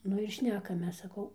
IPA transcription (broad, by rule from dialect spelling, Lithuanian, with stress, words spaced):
ˈnʊ ɪr ˈʃʲnʲæːkɐmʲeːs sɐˈkɐʊ